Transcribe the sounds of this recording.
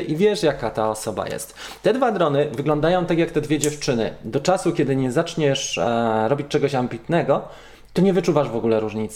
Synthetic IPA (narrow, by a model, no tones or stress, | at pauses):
ʔivʲjɛʂjakat̪aɔsɔba̰jɛ̰st̪t̪ɛd̪vad̪ɾɔnɘvɘɡlɔnd̪ajɔ̃w̃t̪akʲjakt̪ɛd̪vʲɛd͡ʑɛft͡ʂɘnɘ̰d̪ɔt͡ʂasukʲɛd̪ɘɲɛzat͡ʂɲɛʂɾɔbʲit͡ɕt͡ʂɛɡɔɕambʲit̪nɛɡɔ | t̪ɔɲɛvɘt͡ʂuvaʐvɔɡulɛɾuʐɲit̪s